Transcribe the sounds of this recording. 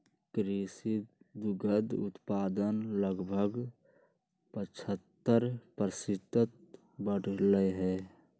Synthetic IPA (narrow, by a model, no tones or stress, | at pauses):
kɾisid̪ʊɡəd̪ʊ̰t̪paːd̪ənləɡbʱəɡ | pət͡ʃʰət̪ːəɾpɾəsɪt̪ət̪̚ | bəɽləɦɛː